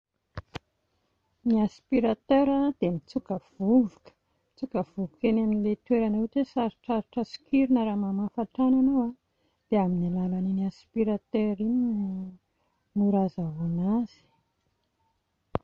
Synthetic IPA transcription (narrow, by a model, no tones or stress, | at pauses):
niaspiɾat̪øɾad̪̥emit͡sukəvuvukə̥ | mit͡sukəvuvukenaminilet̪weɾanet̪esaɾiʈ͡ʂaɾiʈ͡ʂəsi̥kiɾinəɾaːmamafaʈ͡ʂananowa | d̪̥eaminilalaniniaspiɾat̪eɾini | muɾazavanaz̥i̥